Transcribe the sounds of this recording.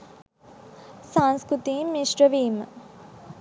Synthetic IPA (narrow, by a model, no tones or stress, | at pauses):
sanskɾut̪iːmːiʂɾəʋiːmə̰